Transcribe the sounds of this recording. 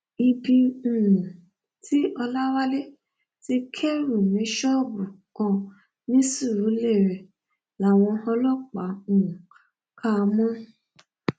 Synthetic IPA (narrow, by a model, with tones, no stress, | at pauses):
i˧bĩ˧˨ɾũ˨ | tʰi˦ɔ˧la˦wa˦le˦ | ti˦kʰe˦ɾu˦˨nĩ˨˦ʃɔ˦˨bɾu˨ | kɔ̃˧ | nĩ˨˦su˦˨ɾu˨˦le˦˨ɾɛ˨ | la˨w̃ɔ̃˧ɔ˧lɔ˦˨k͡pa˨˦˨ũ˨ | kʰa˧mɔ̃˦